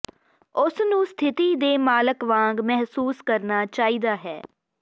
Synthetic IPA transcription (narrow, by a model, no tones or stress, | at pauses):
ʊsnũːst̪ʰɪt̪iːd̪eːmaːləkʋãːŋɡmɛɦsuːskəɾnaːt͡ʃaːiːd̪aːɦɛː